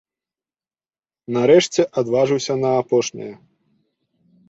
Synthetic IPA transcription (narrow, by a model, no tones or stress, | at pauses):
nɐɾɛʂt͡sʲɛʔad̪vaʐɨwsʲɐnɐːpɔʂnʲḭjɐ